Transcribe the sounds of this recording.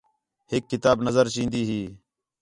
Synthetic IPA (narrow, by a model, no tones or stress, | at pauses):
hɪkːɪt̪aːbnəzəɾʃĩːnd̪iːɦiː